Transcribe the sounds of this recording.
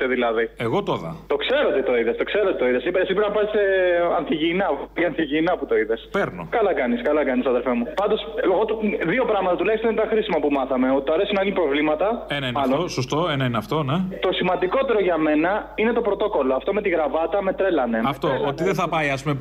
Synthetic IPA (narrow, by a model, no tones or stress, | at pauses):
t̪eðilɐðieɣot̪oðɐ̰t̪o̞kse̞ɾoot̪it̪o̞iðest̪o̞kse̞ɾo̞t̪it̪o̞iðesipeesipɾnɐpɐsiseɐnθiʝiːnɐt̪iɐnθiʝiːnɐput̪o̞iðe̞speɾno̰kɐlɐkɐniskɐlɐkɐnisɐðe̞lfemupɐnd̪o̞seɣot̪ðio̞pɾɐɣmɐt̪ɐt̪ulɐçist̪oinet̪ɐxɾisimɐpumɐθɐme̞ot̪i̥t̪oɐɾe̞sinɐilipɾo̞vlimɐt̪ɐenɐinmɐlonsost̪oenɐineɐft̪o̞net̪o̞simɐnd̪iko̞t̪e̞ɾo̞ʝɐme̞nɐine̞t̪o̞pɾo̞t̪o̞ko̞lo̞ɐft̪oime̞t̪iɣɾɐvɐt̪ɐme̞t̪ɾe̞lɐne̞ɐft̪oot̪iðeθɐpɐjɐspume